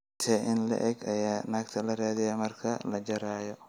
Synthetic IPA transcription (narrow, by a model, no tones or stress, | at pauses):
t̪ʰɛʔɪnlɐ̰ʔɛɡɐjaːnaːɡ̚t̪ʰɐlɐɾaːðɪjamɐrkʰɐlɐd͡ʒɐɾaːjɔ